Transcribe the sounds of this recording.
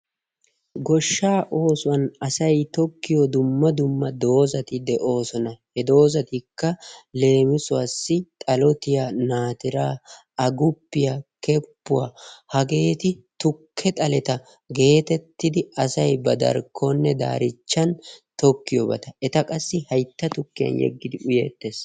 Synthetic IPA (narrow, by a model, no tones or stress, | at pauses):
ɡɔʃːaːʔo̞ːsʊwɐnɐsɐjt̪ɔkːɪjɔd̪ʊmːɐd̪ʊmːɐd̪o̞ːzɐt̪ɪd̪ɛʔo̞ːsɔnɐhɛd̪o̞ːzɐt̪ɪkːɐle̞ːmɪsʊwɐsːɪt̪ʼɐlɔt̪ɪjanaːt̪ɪɾaː | ɐɡʊpːɪjakɛpːʊwa̰hɐɡe̞ːt̪ɪt̪ʊkʰːɛt̪ʼɐlɛt̪ɐ | ɡe̞ːt̪ɛt̪ːɪd̪ɪɐsɐjbɐd̪ɐ̰ɾkʰːɔnːɛd̪a̰ːɾɪt͡ʃːɐnt̪ɔkːɪjɔbɐ̰t̪ɐɛt̪ɐkʼɐsːɪhɐjt̪ːɐt̪ʊkːɪjɐ̰njɛ̰ɡːɪd̪ɪʔʊjḛːt̪ːeːs